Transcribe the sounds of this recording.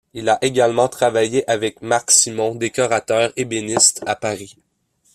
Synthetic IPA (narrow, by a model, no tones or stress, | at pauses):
ilaʔeɡʲalmɑ̃t̪χavajeʔavɛkmaksimɔ̃d̪ekɔʁat̪œːʁebenɪst̪apaʁi